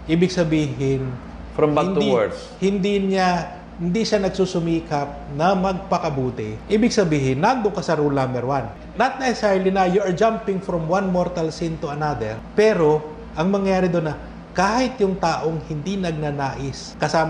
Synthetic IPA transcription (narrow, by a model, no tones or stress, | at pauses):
ʔiːbɪɡsɐbiːɦɪn | fɐmhɪnd̪ | hɪnd̪ina | hɪnd̪iʃanɐɡ̚suːsʊmiːkɐp̚nɐmɐɡ̚pɐkɐbuːt̪ɪʔiːbɪɡsɐbiːɦɪnːand̪ʊŋkɐsɐɾulnãmbɛɹwan | nɐt̪̚nɛsɛsɛɹlinɐjuɐɹd͡ʒampɪŋfɾɔmwanmoɹt̪ɐlsɪnt̪ʊɐnad̪ɛɹpɛːɾo̞ | ʔɐŋmɐŋjɐjaːɾɪd̪onːɐ | kaːhɪt̪jʊŋt̪aːʔo̞ŋhɪnd̪inɐɡ̚nɐnaːʔɪs | kɐsaːm